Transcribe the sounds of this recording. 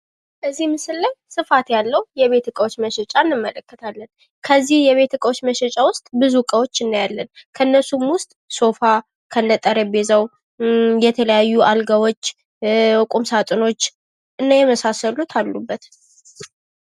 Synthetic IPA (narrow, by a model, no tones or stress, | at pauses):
ʔəzːihmɨsɨlːəjsɨfat̪jalːəwjɛβe̞t̪ʰɨkʼəwot͡ʃːməʃɛt͡ʃʼanːɨmːələkːət̪ʰalːən | kʰəzːihjɛβe̞t̪ʰɨkʼəwot͡ʃːməʃɛt͡ʃʼawʊst̪ʼbɨzukʼəwo̞t͡ʃːɨnːajalːənkʰəɨnːəsumwʊst̪ʼso̞fa | kʰənːət̪ʼəɾəbe̞zəw | jɛt̪ʰələjajːuʔalɡawo̞t͡ʃː | kʼumsat̪ʼɨno̞t͡ʃː | ʔɨnːajɛməsasəlut̪ʰalːubːət̪